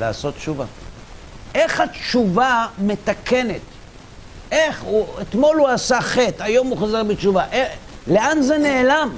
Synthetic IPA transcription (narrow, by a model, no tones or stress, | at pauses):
laːso̞t̪t͡ʃuva̰ | ʔe̞χatʃuvame̞t̪akʰene̞t̪ | ʔe̞χuet̪mo̞luasaχetajo̞muχozaʁbit͡ʃuvaʔele̞anzene̞ːlam